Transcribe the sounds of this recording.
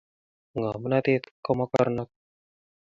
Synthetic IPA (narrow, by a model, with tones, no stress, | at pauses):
ŋa˨mə˦na˦t̪i˦t̪kɔ˦mɔ˦ka̰˦ɾnɔ˦t̪̚